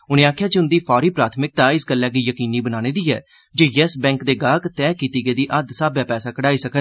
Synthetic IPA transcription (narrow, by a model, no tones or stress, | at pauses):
ʊnẽːaːkʰjaːd͡ʒeʊnd̪iːpʰɔːɾiːpɾaːt̪ʰmɪk̚t̪aːɪsɡəlːɛːɡiːjəkiːniːbənãːñẽːd̪iːɛ̰ː | d͡ʒoːjɛsbɛ̃ːŋkd̪eːɡaːɡt̪ɛːkiːt̪iːɡəeːd̪iːʔəd̪saːbjaːpɛːsaːkəɽaːiːsəkən